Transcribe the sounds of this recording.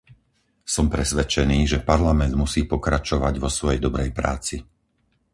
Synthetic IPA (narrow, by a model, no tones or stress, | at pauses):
sɔmpɾɛsʋɛt͡ʃɛniːʒɛpaɾlamɛnd̪musiːpɔkɾat͡ʃɔʋaɟʋɔsʋɔjɛjd̪ɔbɾɛjpɾa̰ːt͡si